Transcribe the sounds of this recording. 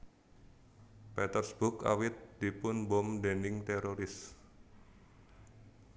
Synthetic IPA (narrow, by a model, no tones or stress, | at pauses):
pɛt̪ərsb̥ʊka̰wɪt̪̚d̪̥i̤pʊnbɔmdenɪŋt̪eɾoɾɪs